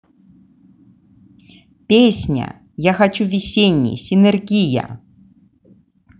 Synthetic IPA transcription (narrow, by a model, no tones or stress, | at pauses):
pʲesʲnʲə̰ | jaxat͡ɕuvʲɪsʲenʲːɪ̰sʲɪnɛrɡʲijɐ̰